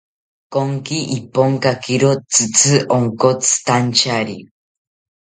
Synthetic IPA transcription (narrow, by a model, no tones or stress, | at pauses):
koŋkiʔipoŋkakiɾot͡sɨt͡sʰɨʔoŋkot͡sɨ̥t̪ant͡ʃaɾi